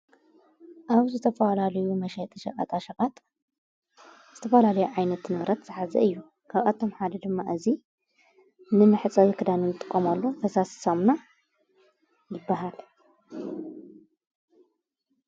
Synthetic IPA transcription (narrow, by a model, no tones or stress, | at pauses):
ʔaβzɨt̪ʰɐfɐlalɐjumɐʃɛt̪ʼiʃɐʔʼa̰t̪ʰʼaʃɐʔʼat̪ʼ | z̥ɨt̪ʰɐfɐlalɐjuʕajnɐt̪nɨβɾɐt̪z̥ɨħazɐ̰ɨjːu | kʰaβʔat̪ʰo̞mħad̪ɐd̪ɨmːaʔɨzi | nɨmɨħt͡sʼɐwikʰɨd̪anɨnɨt̪ʼɨkʼːomalːot̪ʰɐsasi̥somna | jɪbːaɦal